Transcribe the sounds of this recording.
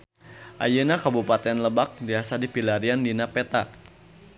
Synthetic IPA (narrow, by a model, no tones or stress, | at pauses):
ʔa̰junakabupat̪ɛnləbak̚diasadipilaɾiandinapɛt̪a